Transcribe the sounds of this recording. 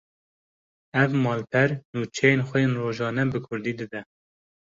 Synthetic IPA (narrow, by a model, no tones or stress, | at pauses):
ɛvmɑːlpʰɛɾnuːt͡ʃʰɛjeːnxʷɛjeːnroːʒɑːnɛbɨkʰʊɾd̪iːd̪ɨd̪ɛ